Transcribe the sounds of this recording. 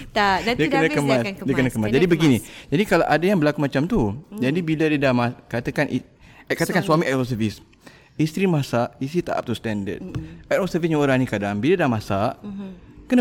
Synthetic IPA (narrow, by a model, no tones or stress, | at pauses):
t̪adiakənakəmasdiakənakəmasd͡ʒadibəɡinid͡ʒadikala̰ʔadajaŋbəlakumat͡ʃamt̪ud͡ʒadibiladidamakat̪akani | kat̪akansuamiʔatɔs̬əvis | ist̪ɾimasaʔist̪ɾit̪a̰ʔa̰p̚t̪ust̪ɛndə̰d̚aɾɔsəvisɲãoɾaŋnikadaŋbiladahmãsaʔkəna